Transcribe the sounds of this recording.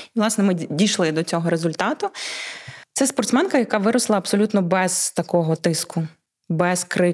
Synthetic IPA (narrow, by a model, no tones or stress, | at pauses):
iʋlˠɑsnɛmɪdʲijʃlˠɪd̪ɔt͡sʲɔɦɔɾezʊlʲt̪ɑt̪ʊ | t̪sɛspɔrt̪smɛnkɐjɐkɑʋɪɾɔslˠɐɐbsɔlʲut̪nɔbɛz̥t̪ɐkɔɦɔt̪ɪskʊ | bɛzkɾɪ